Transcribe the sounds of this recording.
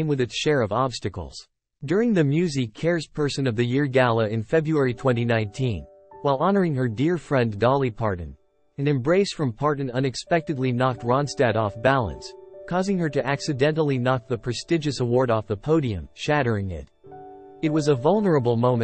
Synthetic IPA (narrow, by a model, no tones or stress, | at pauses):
mwɨðɨtsʃɛɹʌvɑb̥stɨkl̩ˠz̥ | dʊɹɪ̃ŋðɨmjʉzikʰɛɹz̥pʰɜ˞sɨ̃nʌvðɨjɪɹɡælˠəɨ̃nfɛbɹuɛɹitʰw̥ɛ̃ñinãɪ̃ntʰĩn | waɪlˠɑnə˞ɪ̃ŋə˞dɪɹfɹɛ̃ndɑlˠipʰɑɹʔⁿn̩ | ɨ̃nɨ̃mbɹeɪsfɹʌ̃mpʰɑɹʔⁿn̩ʌ̃nɨkspɛk̚tɨdˡlinɑk̚t̚ɹɑ̃nstɛɾɔfb̥ælˠə̰̃nskʰɔzɪ̃ŋə˞ɾɨʔæksɨdɛ̃ntl̩ˠinɑk̚ðəpʰɹ̥ɨstɪd͡ʒɨsəwɔɹɾɔfðəpʰoʊɾiɨ̰̃mʃæɾə˞ɪ̃ŋɪ̰t | ɨt̚wʌzəvʌlˠnə˞əbl̩ˠmõʊ̃mɨ̃